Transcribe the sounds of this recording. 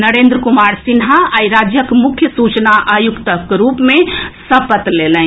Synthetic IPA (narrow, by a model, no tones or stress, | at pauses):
nəɾeːnd̪ɾəkumaːɾsɪnɦaaːiɾaːd͡ʒjəkmʊkʰjəsuːt͡ʃnaʔajukt̪əkɾuːpmẽsɐpət̪lelɛ̃